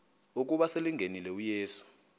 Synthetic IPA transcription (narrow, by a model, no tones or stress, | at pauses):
uk̬uɓaseliŋʱenilɛujeːsu̥